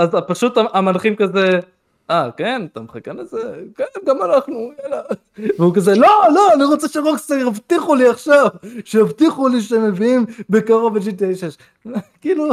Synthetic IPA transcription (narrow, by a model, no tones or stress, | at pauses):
azapaʃut̪aʔamanχimkaze | akenat̪amχakenezekenɡamanaχnuela | veukazelo̞lo̞aniʁot͡seʃeʁokseɡavt̪iχuliaχʃavʃeavt̪iχuliʃeme̞viimbekaʁoveʃ̬it̪eʃeʃ | kiːlu